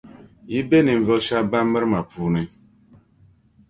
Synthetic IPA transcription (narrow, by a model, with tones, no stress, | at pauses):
ji˦be˦ni˨ɱ̩˨vɔ˦ʃa˦ba˦m̩˦bə˦ɾma˨pu˨˦nɛ˨